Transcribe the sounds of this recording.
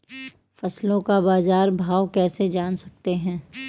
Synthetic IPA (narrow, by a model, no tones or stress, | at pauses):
fɐslõkabaːzaːɾbʱaːʋkɛːsed͡ʒaːnsɐk̚t̪eɦɛ̃ː